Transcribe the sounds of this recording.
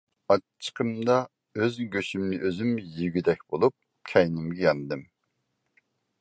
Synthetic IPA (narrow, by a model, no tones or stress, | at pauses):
ɑə̥qʰəmd̪ɑ | øzɡʲøʃymnɪʔøzymjiɡʲyd̪ɛk̚ʲb̥olˠup̚ | kʲʰɛjnɪmɡʲɛjɑnd̪ɨm